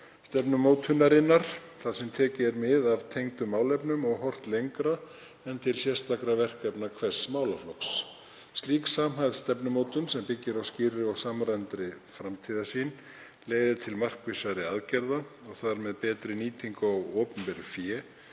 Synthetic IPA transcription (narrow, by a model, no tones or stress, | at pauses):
st̪ɛpnʏmowt̪ʰʏnːaɾɪnːaɾ̥ | θaðsɛmt̪ʰɛːcɪɾmɪðavt̪ʰejŋt̪ʏmːaːwlɛpnʏmɔɣɦɔr̥t̪lejŋkɾa | ɛnt̪ʰɪlsjɛst̪akɾavɛr̥kɛpnakʰvɛr̥smaːwlaflɔks | sːt̪liːksaːmɦajðst̪ɛpnʏmoːwt̪ʏnsɛmpɪcːɪɾawscɪrːɪɔwsamɾant̪ɾɪ | fɾamt̪ʰiːðasin | leːɣðɪt̪ʰɪlmar̥kvɪsaɾɪaðcɛɾða | ɔɣθaɾmɛðpɛːt̪ɾɪniːt̪ʰiŋkɔɣɔːpʏmpɛɾʏfjɛː